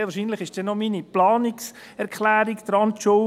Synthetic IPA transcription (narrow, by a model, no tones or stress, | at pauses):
ʋɑɾʃiːnləχɪʃd̥ɛnɔminiplɑːnɪks | ɛɾkχlæːɾikd̪̥ɾɑnt̪ʃo